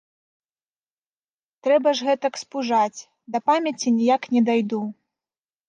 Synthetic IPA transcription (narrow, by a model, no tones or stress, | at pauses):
t̪ɾɛbɐʐɣɛt̪ɐkspuʐat͡sʲ | d̪ɐpamʲɐt͡sʲinʲijaknʲɛd̪ajd̪u